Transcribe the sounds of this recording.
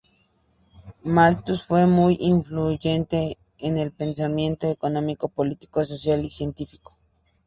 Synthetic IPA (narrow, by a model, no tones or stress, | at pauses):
malt̪usfwemujiɱfluʝent̪eː | nelpensamjent̪oekonomikopolit̪i̥kososjalisjent̪ifi̥ko̥